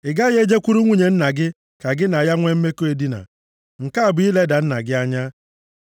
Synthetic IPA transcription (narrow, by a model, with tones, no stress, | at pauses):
ɪ˨ɡa˦je˦d͡ʒe˦kʷu˦ɾu˦ŋʷu˦ɲe˨n̩˦na˨ɡɪ˦ | ka˨ɡɪ˦na˨ja˦ŋʷe˦m̩˦me˦ko˦e˨di˦na̰˨ | ŋ̩˨ka˦a˨bʊ˨˦i˦le˦da˨n̩˦na̰˨ɡɪ˦a˦ɲa˦